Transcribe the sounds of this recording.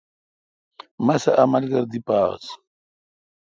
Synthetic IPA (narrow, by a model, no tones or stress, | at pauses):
mɐsɐʔɐmɐlɡɐɾd̪ipa̰ːs